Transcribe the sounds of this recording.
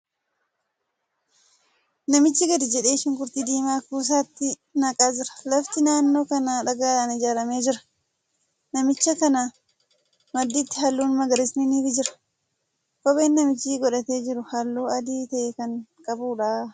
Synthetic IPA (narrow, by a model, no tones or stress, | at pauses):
nɐmɪt͡ʃːɪɡɐd̪ɪd͡ʒɛᶑe̞ːʃɪŋkʊɾt̪id̪iːmaːkuːs̬aːt̪ːɪ | nɐkʼaːd͡ʒɪɾɐ̥lɐft̪ɪnaːnːo̞ːkɐnaːᶑɐɡaːlaːnɪd͡ʒaːɾɐme̞ːd͡ʒɪɾɐ̥ | nɐmɪt͡ʃːɐkɐnaː | mɐd̪ːit̪ːɪ̥ɦɐlːuːnmɐɡɐɾɪsnɪniːfɪd͡ʒɪɾɐ̥ | kʼɔbeːnːɐmɪt͡ʃːiːɡɔᶑɐt̪e̞ːd͡ʒɪɾʊhɐlːuːɐd̪iːt̪ɐʔekɐŋkʼɐbuːᶑaː